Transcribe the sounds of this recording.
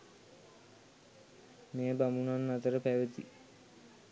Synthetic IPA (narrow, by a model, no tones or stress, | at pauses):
meːbamunanːat̪əɾəpæʋət̪i